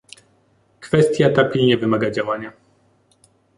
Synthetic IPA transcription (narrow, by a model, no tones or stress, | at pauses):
kfɛst̪ʲjat̪apʲilɲɛvɘmaɡad͡ʑawaɲa